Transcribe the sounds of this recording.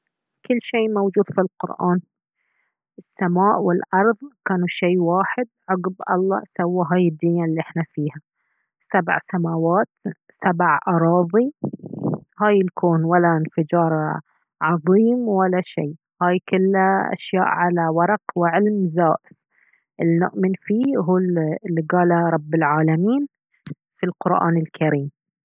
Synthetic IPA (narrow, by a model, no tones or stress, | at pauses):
kɪlːʃeːmawd͡ʒuːd̪̥filqʊ̰ɾʔaːn | ʔɪsːamaːʔwɪlʔɑɾˤðˤkaːnuʃeːwaːħɪd̪ʕʊɡbʔɑ̰lˤːɑ̰sawːaɦaːjɪd̪ːɪnːalːiʔɪħnafiːha | sab̰ʕsamaːwaːt̪ | sabʕʔɑɾˤɑːðˤi | haːjɪlkʰoːnwalːaɪnfɪd͡ʒɑːɾˤ | ʕɑðˤiːmwalːaʃḛː | haːjkʊlːaʔa̰ʃjaːʔʕalawɑɾˤɑqwɪʕɪlmzaːʔɪs | ʔɪlinʊ̰ʔmɪnfiːɦuːllːiɡaːlaɾˤɑbːɪlʕaːlamiːn | filqʊɾʔa̰ːnɪlkʰaɾiːm